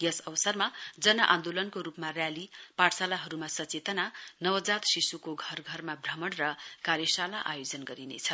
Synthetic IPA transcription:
jʌsʌbʌsʌrmad͡zʌnʌʔã̰nd̪olʌnkoɾupmarjalipaʈsalaɦʌɾumasʌt͡set̪ʌnanʌwʌd͡zat̪sisukoɡʱʌrɡʱʌrmabrʌmʌnrʌkaɾjʌsalaʔa̰jod͡zʌnɡʌɾinḛt͡sʰʌ

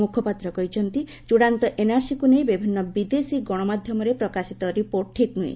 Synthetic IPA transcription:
mukʰɔpat̪ɾɔkɔɦit͡ʃʰɔnt̪i | t͡ʃuɽant̪ɔʔenaɾsikunejbibʱinːɔbid̪esiɡɔɽ̃ɔmad̪ʱjɔmɔɾepɾɔkasit̪ɔɾipoɾʈʈʰiknuḭ̃

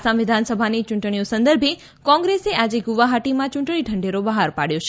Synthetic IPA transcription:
sãʋɪd̪ʱansəbʱanit͡ʃʊ̃ɳʈɳ̃iosə̃nd̪əɾbʱe | kɔ̃ŋɡɾeseʔad͡ʒeɡuʋaɦaʈimãt͡ʃʊ̃ɳʈɳ̃iʈʰəɳɖeɾobəɦaɾpaɽjot͡ʃʰe

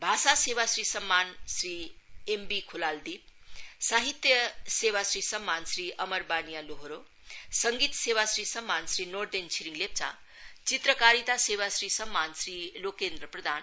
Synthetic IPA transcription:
bʱaːsaseβasɾisəmːansɾiembikʰulald̪ip̚saɦit̪jəsewasɾisəmːansɾiʌməɾbanijaloɦoɾo | səŋɡiːt̪sewasɾisəmːansɾinoɾd̪ent͡ʃʰiɾiŋɡlep̚t͡sa̰ | t͡sit̪ɾəkaɾit̪asewasɾisəmːansɾilokend̪ɾəpɾɐd̪ʱaːn

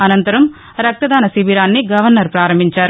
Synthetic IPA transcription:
ɐnɐnt̪ɐɾɐm | ɾɐk̚t̪ɐd̪aːnɐsiʋiɾaːnːiɡɐʋɐɾnɐɾpɾaːɾɐmbʱiɲt͡ʃaːɾu

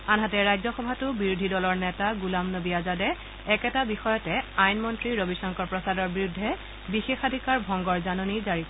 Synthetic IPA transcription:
anɦatɛɹajzɔxɔbʱatʊbiɹudʱidɔlɔɹnɛtaɡulamnobijazadɛː | kɛtabixɔjɔtɛajnmɔntɹiɹobisɔŋkɔɹpɹɔsadɔɹbiɹudʱːɛ | bixexadʱikaɹbʱɔŋɡɔɹzanonizaɹit

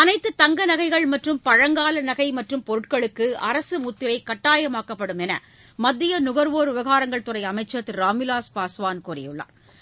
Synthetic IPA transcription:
ɐnɐɪt̪ːɯt̪ɐŋɡɐnɐɣɐɪɣɐɭmɐʈrɯmpɐɻɐŋɡaːlɐnɐɣɐɪmɐʈrɯmpɔɾɯʈkɐɭɯkːɯɐ̰ɾɐsɯmut̪ːɪɾɐɪkːɐʈːaːjɐmaːkɐpːɐɽɯmɛnɐ̰ | mɐd̪ːɪjɐnʊɣɐɾʋoːɾʊʋɐɣaːɾɐŋɡɐɭt̪ʊrɐɪɐmɐɪt͡ʃːɐt̪ːɾaːmɪlaːspaːsʋaːnkuːɾɛ̰jɯɭːɐ̰ː

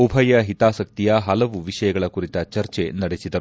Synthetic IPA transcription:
ubʱɐjɐɦit̪aːsɐk̚t̪ijɐɦɐlɐʋuʋiʂɐjɐɡɐɭɐkuɾit̪ɐt͡ʃɐɾt͡ʃenɐɽesid̪ɐɾu

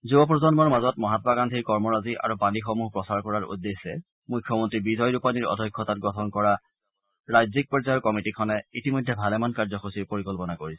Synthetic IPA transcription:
zubɔp̬ɹɔzɔnmɔɹmazɔtmɔɦatɔbakantʰikɔɹmɔɹaziʔa̰ɹubanixɔmuɦpɹɔsaɹkɔɹaɹṵdːesːɛ | mujkʰːjɔmɔntɹibizʱɔjɹupaniɹɔ̰dʱɔjkʰːɔtat̚ɡɔtʰɔnkɔɹa | ɹajzik̚pɔɹzajɔɹkɔmitikʰɔnɛitimɔjdʱːɛbʱalɛmankaɹzɔxosiɹpoɹikɔlpɔnakoɹisɛ̥

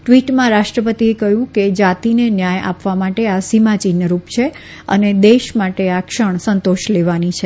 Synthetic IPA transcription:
ʈʋiʈmãɾaʃʈɾəpət̪iekəɦjũked͡ʒat̪inenjaja̰pʋamaʈeasimat͡ʃinəɾupt͡ʃʰe | ə̰ned̪eʃmaʈeakʃəɳ̃sənt̪oʃleʋanit͡ʃʰe

